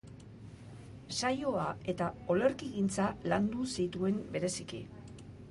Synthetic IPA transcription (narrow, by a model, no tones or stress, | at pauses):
sajo̞ae̞t̪ao̞le̞ɾkiɣint͡saland̪usit̪ue̞mbe̞ɾe̞sikḭ